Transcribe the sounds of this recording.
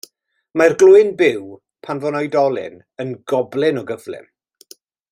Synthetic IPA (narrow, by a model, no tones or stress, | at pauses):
marɡlˠʊɨnbɪw | pʰanvɔnɔjdɔlˠɪ̰n | ənɡɔblˠɪnɔɡəvlɪ̰m